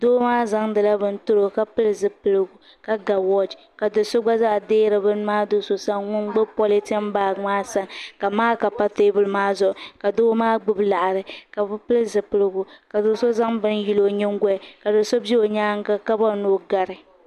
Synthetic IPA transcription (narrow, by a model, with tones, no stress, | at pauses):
doː˦maː˦za˦ŋdɨ˨la˦bɨ˦n̩˦tʊ˦ɾo˨ka˨pɨ˦lzɨ˨pɨ˦lɨ˨ɡu˨ | ka˨ɡa˨wɔ˦d͡ʒ | ka˨dɨ˨so˦ɡ͡ba˦za˦ʔdeː˦ɾɨ˨bɨ˦n˦maː˦do˦so˦sa˦ŋŋʊ˦n˦ɡ͡bɨ˦pɔ˦li˦ti˦m˦baː˦˨maː˦sa˦ŋka˨maː˦ka˨pa˦teː˦bʊ˨lmaː˦zʊ˨ʔʊ˨ka˨doː˦maː˦ɡ͡bɨ˦bla˨ʔa˨ɾɨ˨ka˨bpɨ˦lzɨ˨pɨ˦lɨ˦ɡu˨ka˨do˨˦so˦za˦ŋbɨ˦nji˦lo˨ɲɛ˦ŋ˦ɡʷɛ˦˨ka˨dɨ˨so˦bi˦o˨ɲaː˦ŋ˦ka˦ka˦ba˦˨noː˦ɡa˨ɾɨ˨